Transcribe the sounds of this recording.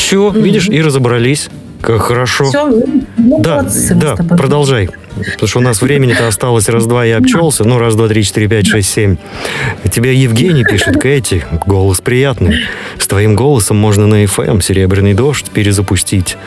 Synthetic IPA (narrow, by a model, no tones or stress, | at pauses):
sovʲidʲɪʂiɾəzəbɾɐlʲisʲ | kakxəɾɐʂo | d̪ad̪apɾəd̪ɐlˠʐaj | pt̪oʂt̪əʊnasvɾʲemʲɪnʲɪt̪əɐst̪alˠəsʲrazd̪vajiɐpt͡ɕolˠsʲənuɾasd̪vat̪ɾʲit͡ɕɪt̪iɾʲɪpʲætʲʂɛsʲtʲsʲemʲ | tʲɪbʲejɪvɡʲenʲɪjpʲiʂɨt̪kɛtʲɪɡo̞lˠəspɾʲɪjat̪nɨjst̪vɐimɡo̞lˠəsəmːo̞ʐnənəɛfɛ̰msʲɪɾʲebɾʲɪnɨjd̪o̞ʂtʲpʲɪɾʲɪzəpʊsʲtʲitʲ